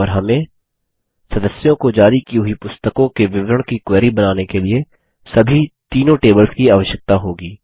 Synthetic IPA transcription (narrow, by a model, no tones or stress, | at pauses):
ɔːɾɦɐmẽ | sɐd̪əsjõkod͡ʒaːɾikiɦʊipʊst̪əkõkeʋɪʋɾəɽ̃kikwɛːɾibɐnaːnekelie | sɐbʱit̪iːnõʈeːbəlskiaːʋəʃjək̚t̪aɦoːɡiː